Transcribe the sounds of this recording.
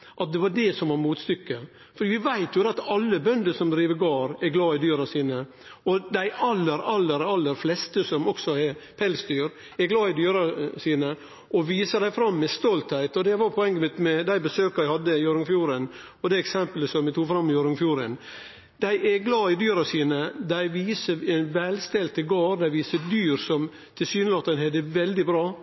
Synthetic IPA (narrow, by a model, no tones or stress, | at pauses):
ʔɑt̪̚d̪ɛʋɑɖɛsɔmʋɑɾmuːt̪st̪ʏkːə | fɔɾɖiːʋɪʋæɪt̪jʊd̪ɛɑt̪ɑlːəbœnd̪əsɔmd̪ɾiːʋəɡɑːɾɛɾɡlɑːɪd̪yːɾɑsiːnə | ɔd̪æɪʔɑlːəɾɑlːəɾɑlːəɾflɛst̪əsɔmɔksɔɛpʰɛlsd̪yːɾ | ɛɾɡlɑːɪd̪yːɾɑsiːnə | ʔɔʋiːsəɾd̪æɪfɾɑmːɛst̪ɔlt̪hæɪt̪ɔd̪ɛʋɑɾpʰɔɛŋːəmɪt̪mɛd̪æɪbəsøːkɑɾæɪhɑd̪ːəɪɔɾəŋfjuːɾən | ɔd̪ɛɛksɛmpələsɔmʋɪt̪ʰuːɡfɾɑmːɪɔɾəŋfjuːɾən | d̪̥æɪʔɛɡlɑːɪd̪yːɾɑsiːnəd̪æɪʋiːsəɾɛnʋɛlst̪ɛlt̪əɡɑːɾd̪æɪʋiːsəd̪yːɾsɔm | t̪ʰɪsyːnəlɑːt̪ːənhɛd̪ɛʋɛld̪ɪbɾɑː